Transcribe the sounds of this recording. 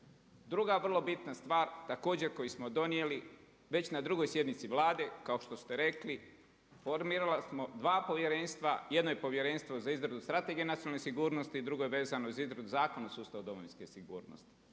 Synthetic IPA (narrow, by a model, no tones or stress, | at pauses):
d̪ɾuɡaʋr̩lˠo̞bit̪nast̪ʋaːɾt̪ako̞ːd͡ʑe̞ɾko̞jismod̪o̞nieli | ʋe̞t͡ɕnad̪ɾuɡo̞jsje̞d̪nit̪siʋlaːd̪e̞kaoʃt̪o̞st̪eɾe̞kli | fo̞ɾmiːɾalasmo̞d̪ʋaːpo̞ʋje̞ɾeːnst̪ʋajed̪noje̞po̞ʋje̞ɾe̞ːnst̪ʋo̞zaizɾad̪ust̪ɾat̪e̞ɡijenat̪ionalnesiɡuːɾno̞st̪iːd̪ɾuɡo̞jeʋe̞ːzanoizizɾad̪uzaːko̞nasuːst̪aʋod̪o̞mojinskesiɡṵːɾno̰st̪i̥